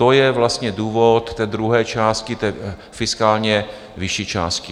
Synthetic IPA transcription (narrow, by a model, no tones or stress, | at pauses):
ojɛvlast̪ɲɛduːvot̪ːɛːd̪ɾuɦɛːt͡ʃaːst̪̚kɪt̪ɛː | fɪskaːlɲɛ | vɪʃit͡ʃa̰ːst̪kɪ